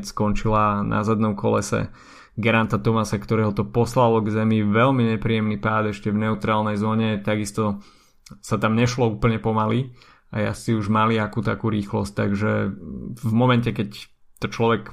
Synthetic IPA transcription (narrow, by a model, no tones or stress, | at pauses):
skɔnt͡ʃilanʔa̰zad̪nɔmkʰɔ̰lɛsɛ̰ | ɡɛɾant̪at̪ɔmasakt̪ɔɾɛːɦɔt̪ɔpɔslalɔɡzɛmiʋɛlmiɲɛpɾiːjɛmnipaːd̪ɛʃcɛvnɛut̪ɾaːlnɛjzɔːɲɛt̪aɡist̪ɔ | sat̪amɲɛʃlɔuːpl̩ɲɛpɔmali | aja̰siuʒmaliakuːt̪akuːɾiːxlɔ̰sc̚t̪aɡʒɛ | vmɔmɛncɛkɛc | t̪ɔt͡ʃlɔʋɛk